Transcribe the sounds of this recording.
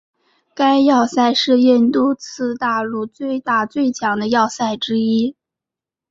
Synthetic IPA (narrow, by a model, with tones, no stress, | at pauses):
ka˥ɪjɑ˥˧ʊsa˥˧ɪʂɻ̩˥˧jɛ˥˩nt̪u˥t͡s̩ʰ˥˧t̪a˥˧lu˥˧t͡swe˥˧ɪt̪a˥˧t͡swe˥˩ɪt͡ɕʰjɑ˧˥ŋd̪ə˧jɑ˥˧ʊsa˥˩ɪʈ͡ʂɻ̩˥i˥